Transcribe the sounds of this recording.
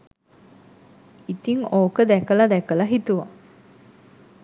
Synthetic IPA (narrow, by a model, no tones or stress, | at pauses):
it̪iŋoːkəd̪ækəlɐd̪ɛkəlɐɦit̪uʋa